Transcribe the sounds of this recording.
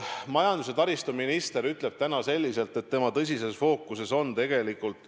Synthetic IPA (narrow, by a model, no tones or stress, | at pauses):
mɑjɑnd̪̥use̞t̪ɑɾist̪uminist̪e̞ɾyt̪ˑle̞b̥̚t̪ænɑse̞lʲːise̞lt̪ːˑet̪ːe̞mɑt̪ɤs̬ʲise̞sfo̞ːkːˑuse̞so̞nt̪e̞ɡ̥e̞likːˑult̪ˑ